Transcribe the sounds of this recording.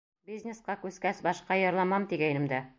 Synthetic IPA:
bʲizʲnʲesqɑkʉskæsbɒʃqɑjɤ̆ɾlˠɑmɑmt̪iɡæjnɘ̆md̪æ

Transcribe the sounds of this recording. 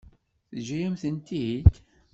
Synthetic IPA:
θʒæjæmθənt̪iid̪

